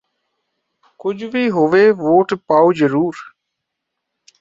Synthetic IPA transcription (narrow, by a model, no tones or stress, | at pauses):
kʊd͡ʒʱʋiːɦoːʋeːʋoːʈpaːoːd͡ʒəɾuːɾ